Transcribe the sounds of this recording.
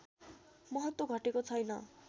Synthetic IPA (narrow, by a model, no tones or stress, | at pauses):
mʌɦʌt̪woɡʱʌʈekot͡sʰʌjnʌ̰